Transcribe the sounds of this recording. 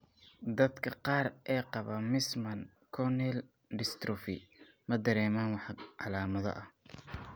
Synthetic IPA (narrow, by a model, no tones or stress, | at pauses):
d̪ɐd̪kʰɐqɑːrʔɛːqɑβɐmɪsmɐn | kʰɔnɛl | ɖɪst̪ɾʊfɪ̰ | mɐd̪ɐɾɛːmaːnwɑħʕɑlaːmɐðɐ̰ʔɐh